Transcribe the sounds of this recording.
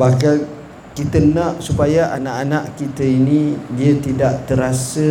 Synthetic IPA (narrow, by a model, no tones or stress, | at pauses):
bahkal | kit̪ənaʔsupajaʔanaʔanaʔkit̪əinĩdiat̪idaʔt̪əɾasə